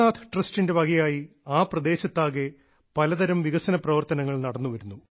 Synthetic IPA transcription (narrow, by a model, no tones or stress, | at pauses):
aːt̪ʰʈrɐstinde̞bɐɣɐjaːji | aːprɐd̪e̞ːɕɐt̪ːaːɣe | pɐlɐðɐɾɐmʋiɣɐsɐnɐprɐʋɐrt̪ɐnɐŋːɐɭnɐɽɐnːuʋɐɾunːu